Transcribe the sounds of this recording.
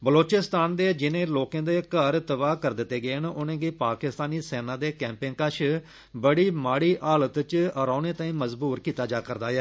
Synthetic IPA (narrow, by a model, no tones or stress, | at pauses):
bəloːt͡ʃɪst̪aːnd̪eːd͡ʒɪnẽːloːkãːd̪eːkəɾt̪əbaːkəɾd̪ɪt̪ːeːɡeːnʊnẽːɡiːpaːkɪst̪aːniːseːnãːd̪eːkɛ̃ːmpẽːnkəʃ | bəɽiːmaːɽiːʔaːlət̪t͡ʃəɾãːnẽːt̪ãːĩːməzbuːɾkiːt̪ːaːd͡ʒaːkəɾd̪aːjɛː